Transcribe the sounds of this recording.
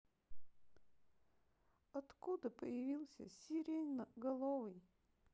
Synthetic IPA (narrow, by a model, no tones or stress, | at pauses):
ɐt̪kud̪əpəjɪvʲilˠsʲə̰sʲiɾʲejnəɡɐlˠovɨj